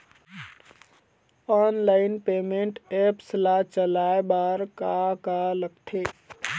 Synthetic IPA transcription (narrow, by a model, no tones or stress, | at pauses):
aːnlaɪnpeːmẽɳʈeːpslat͡ʃəlaːebaːɾkakaləpt̪ʰeː